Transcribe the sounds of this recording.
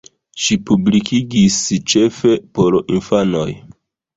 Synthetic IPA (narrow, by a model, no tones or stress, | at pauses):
ʃipublikʰiɡist͡ʃe̞fe̞po̞ɾinfano̞̰j